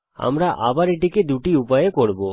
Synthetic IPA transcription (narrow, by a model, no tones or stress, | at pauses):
a̰mɾaʔa̰baɾiʈiked̪uʈiupajekɔɽbo